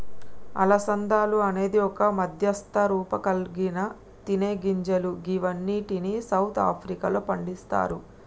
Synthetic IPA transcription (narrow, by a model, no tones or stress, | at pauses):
ɐ̰lɐsɐnd̪aːluɐne̞ːd̪iɔkɐmɐd̪ʱjɐst̪ʰɐɾuːpɐkɐlɡinɐ | t̪ineːɡiɲd͡ʒɐluɡiʋɐnːiːʈinisɐwt̪ʰa̰ːpʰɾikɐloːpɐɳɖist̪a̰ːɾu